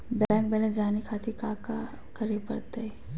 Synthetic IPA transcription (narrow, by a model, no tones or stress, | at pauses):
bɛ̃ːŋk̚bɛlẽd͡ʒaːnikʰaːt̪ʰikaːka | kəɾepɐɽt̪aɛ